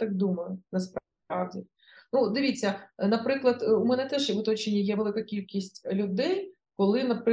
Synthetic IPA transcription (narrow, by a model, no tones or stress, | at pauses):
t̪ɑk̚d̪umɐjʊnɐsp | ɑ̰wdʲi | nud̪ɪʋʲit͡sʲːɐnɐpɾɪklˠɐd̪ʊmɛnɛt̪ɛʒʋʊt̪ɔt͡ʃenʲijɛʋelˠɪkɐkʲilʲkʲisʲtʲlʲʊd̪ɛj | kɔlˠɪnɐpɾ